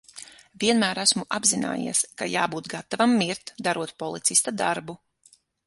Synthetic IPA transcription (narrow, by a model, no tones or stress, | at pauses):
viɛnmæːɾæsmuʔabzina̰ːjḭɛska̰jaːbuːt̪ɡat̪ːavamːiɾt̪d̪aɾuɔt̪̚pɔlˠit̪sist̪ad̪aɾbu